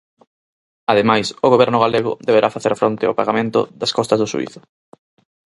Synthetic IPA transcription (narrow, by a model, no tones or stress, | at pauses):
aðemajsʊɣoβɛɾnʊɣaleɣʊ̰ðeβeɾʔafaθeɾfɾont̪ɪo̰paɣamẽnt̪ʊ̰ðɐskɔst̪ɐzðʊsṵḭθʊ̥